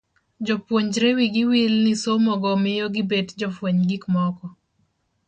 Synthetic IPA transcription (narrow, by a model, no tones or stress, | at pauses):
d͡ʒɔpwoɲd͡ʒɾewiɡɪwilnɪsomɔɡɔmɪjoɡɪbetd͡ʒɔfwoɲɡikmɔkɔ